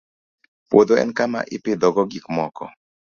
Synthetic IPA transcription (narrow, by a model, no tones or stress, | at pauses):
pwod̪oɛ̰nkama̰ʔipid̪ɔɡɔɡikmɔkɔ̰